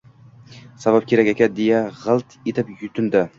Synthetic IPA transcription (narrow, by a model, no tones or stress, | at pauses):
savap̚kʲʰeɾakʲakʲʰad̪ejaʁɨlˠt̪ʰet̪ʰɪpjʊt̪ʰɪnd̪ɪ